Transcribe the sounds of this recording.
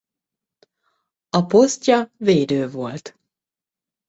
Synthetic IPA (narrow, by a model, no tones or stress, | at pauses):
ɒpostʲɑveːd̪øːvolt̪